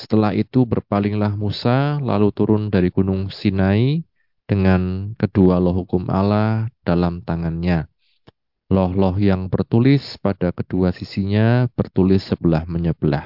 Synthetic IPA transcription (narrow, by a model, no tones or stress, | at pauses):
sə̥t̪əlaɦit̪ubərpalɪŋlahmusala̰lut̪uɾʊndaɾiɡ̥unʊŋsinai | d̥əŋankədualɔɦukʊmʔa̰lahd̥alamt̪aŋanɲa | lɔhlɔhjaŋbərt̪ulɪspadakəd̥uasisiɲab̥ərt̪ulɪsːəbəlahməɲəb̥əla̰h